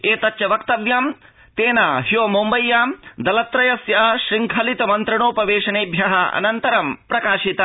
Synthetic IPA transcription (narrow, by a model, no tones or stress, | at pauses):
eːt̪ɐt͡ʃːt͡ʃɐʋɐkt̪ɐʋjaːm | t̪eːnaːɦjoːmumbɐjːaːmd̪ɐlɐt̪ɾɐjɐsjɐɐʃɾiŋkʰɐlit̪ɐmɐnt̪ɾɐɳoːpɐʋeːʃɐneːbʱjɐɦɐɐ̰nɐnt̪ɐɾɐmpɾɐkaːʃit̪ɐ